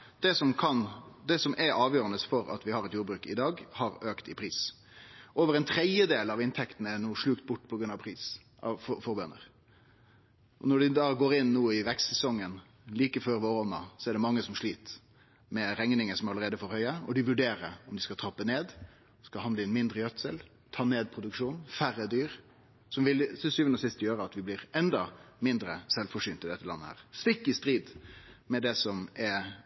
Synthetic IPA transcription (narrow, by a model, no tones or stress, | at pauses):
d̪̥ɛsɔmkʰɑnd̪ɛsɔmʔɛɾʔɑːʋjøːɾənəsfɔɾɑ̰t̪ʋɪhɑɾɛt̪juːɾbɾʉːkɪd̪ɑːɡhɑɾøːkt̪ɪpʰɾiːs | ʔoːʋəɾɛnt̪ʰɾɛd̪jəd̪eːlɑʋɪnt̪ʰɛkt̪nəɛnuːʂɭʉːk̚t̪̚bʊʈːpʰɔɡɾʉnɑʋpʰɾiːs | ɑ̰fɔfɔɾbœnə̰ɾ | ʔɔ̰nɔɖɪd̪ɑːɡoːɾɪnːuːɪʋɛkssɛsɔŋːən | liːkəføːɾʋoːɾɔnːɑ̰sɔɛɖɛmɑŋːəsɔmʂɭiːt̪ | mɛɾɛŋnɪŋəsɔmɑləɾeːd̪əfɔɾhœʏəɔd̪ɪʋʉɖeːɾəɾɔmd̪ɪskɑt̪ʰɾɔpːəneːd̪ | skɑhɑnd̪əɛnmɪnd̪ɾəjœt̪səl | t̪ʰɑːneːd̪̚pʰɾʊd̪ʉkʂuːnfæɾːəd̪yːɾ | sɔmʋɪlssyːʋənɔsɪst̪jøːɾəɑt̪ʋɪblɪɾɛnd̪ɑmɪnd̪ɾəsɛlfɔʂyːnt̪ɪd̪ɛt̪ːəlɑ̰nːəhæ̰ːʁst̪ɪkːɪst̪ɾiːd̪mɛd̪ɛsɔmɛ